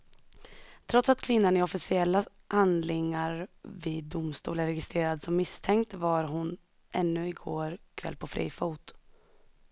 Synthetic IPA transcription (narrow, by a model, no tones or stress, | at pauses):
t̪ʰɾɔt̪sat̪kʰvɪnːanɪɔfɪsɪɛlːa | hand̪lɪŋːaɾvid̪ːʊmst̪ṵːləɾɛɡɪst̪ɾeːɾad̪sɔmːɪst̪ʰɛŋkt̪vaɾɦʊn | ʔɛnːɵɪɡoːɾkʰvɛ̰lːpʰɔfɾḭːfuːt̪